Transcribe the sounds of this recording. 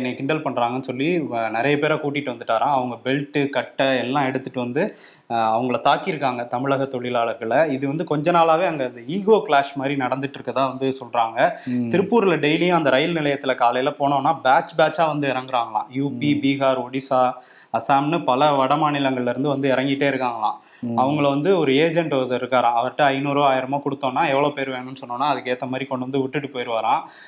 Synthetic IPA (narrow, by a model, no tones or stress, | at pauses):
nːekɪɳɖɐlpɐɳːɾaːŋɡɐnːɯsɔlːinɪɾɐjɐpeːɾakuːʈːɪʈːɯʋɐnd̪ɯʈːaːɾãːɐʋɐŋɡɐbɛlʈɯkɐʈːɐɛlːãːɛɽɯt̪ːɯʈːɯʋɐnd̪ɯ | ɐʋɐŋɡɐɭɐt̪aːkːɪɾɯkːaːŋɡɐt̪ɐmɪɭɐɣɐt̪ɔɭɪlaːɭɐɾɣɐɭɐɪðɯʋɐnd̪ɯkɔɲd͡ʒɐnaːlaːʋeːɐŋɡɐɐnd̪ɐiːɣoːkɭaːʂmaːd̪ɾinɐɽɐnd̪ɯʈːɪɾɯkːɐðãːʋɐnd̪ɯsɔlɾaːŋɡɐt̪ɪɾɯpːuːɾɪlɐɖɛɪlɪjʊ̃ɐnd̪ɐɾɐjɪlnɪlɐjɐt̪ːɪlɐkaːlɐjɪlɐpoːɳõːnːaːbaːt͡ʃbaːt͡ʃːaːʋɐnd̪ɯɪɾɐŋɡɪɾaːŋɡɐɭã̰ːjuːpibiːɣaːɾɔɽisaː | ɐsaːmnɯpɐlɐʋɐɽɐmaːnɪlɐŋɡɐɭɪlɪɾɯnd̪ɯʋɐnd̪ɯɪɾɐŋɡɪʈːeːɪɾɯkːaːŋɡɐɭlã̰ː | ɐʋɐŋɡɐɭɐʋɐnd̪ɯɔɾɯeːd͡ʒɛɳʈɪɾɯkːaːɾãːɐʋɐɾʈːɯɐɪnuːɾoːaːjɪɾɐmoːkɔɽɯt̪ːõːnːaːɛʋːɐɭoːpeːɾʋeːɳʊ̃nːɯsɔnːõːnːaːɐðɯkːeːt̪ːɐmaːd̪ɾikɔɳɖɯʋɐnd̪ɯʋʊʈːɯʈːɯpoːjɪɾɯʋaːɾãː